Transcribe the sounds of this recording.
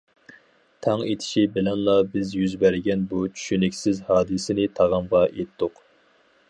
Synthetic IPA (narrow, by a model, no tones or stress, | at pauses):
t̪ʰɛŋet̪ʰɪ̥ʃibɪlɛnlˠɑbɪzjyzbæɾɪɡʲɛnbut͡ʃʰy̥ʃynɪkʲsɪzhɑːd̪ɨsɪnɪt̪ʰɑʁɑmʁɑʔet̪ʰːʊq